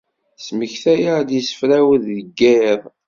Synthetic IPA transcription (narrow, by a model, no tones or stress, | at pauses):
sməçθæjad̪jisə̥fɾæwəðːəɡːæðˤ